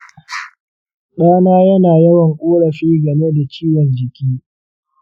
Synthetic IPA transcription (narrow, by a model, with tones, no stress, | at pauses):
ɗaː˦naː˦jɐ˦naː˨jɐ˦wɐ˨ŋkʔʷʼoː˦ɽɐ˨ɸiː˦ɡɐ˨meː˦da˨t͡ʃiː˦wɐ˨nd͡ʒɪ˨kʲiː˦